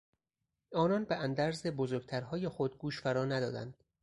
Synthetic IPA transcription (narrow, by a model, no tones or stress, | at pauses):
ʔɒːnɒːnbeʔænd̪æɾzebozoɾɡt̪ʰæɾɦɒːjexo̞d̪̚ɡuːʃfæɾɒːnæd̪ɒ̰ːd̪æ̰nd̪̥